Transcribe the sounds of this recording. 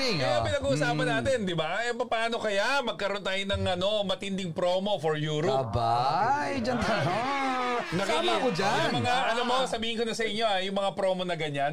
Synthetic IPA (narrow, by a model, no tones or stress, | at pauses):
iŋɛɐpɪnɐɡuːʔʊsaːpɐnːaːt̪ɪnd̪ɪbaʔɛpɐpaːno̞kɐjamɐɡ̚kɐɾo̞nt̪aːjonɐŋʔɐno̞mɐt̪ɪnd̪ɪŋpɾo̞ːmo̞foɹjuːɾoba̰jd͡ʒɐnt̪aa | nɐkamakod͡ʒamɐŋaʔɐnomosɐbiːhɪnkonɐsɐʔɪɲːo̞ajʊŋmɐŋapɾo̞ːmo̞nɐɡɐɲan